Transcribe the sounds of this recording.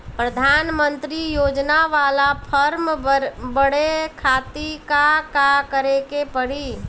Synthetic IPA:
pɾəd̪ʱanmənt̪ɾijod͡ʒnaʋalapʰəɾmbəɽekʰat̪ikakakəɾekepəɽi

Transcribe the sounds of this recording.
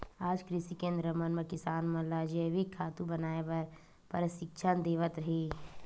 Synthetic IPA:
aːd͡ʒkɾɪʃikẽːnd̪ɾəmənməkɪsaːnmɐlaːd͡ʒəʋɪkʰːaːt̪ũbɐnaːepɐɾ | pəɾəʃɪkt͡ʃʰand̪eːʋət̪ɾɐɦeː

